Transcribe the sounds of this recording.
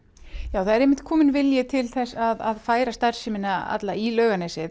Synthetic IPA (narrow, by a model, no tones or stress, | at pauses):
jaːwθaðɛɾejmːɪ̥n̥t̪kʰɔːmɪnvɪljɛt̪ʰɪlθɛsːaðaðfaːjɾast̪aɾ̥sɪmɪnːaa̰t̪lailœːɥɣanɛːsɪ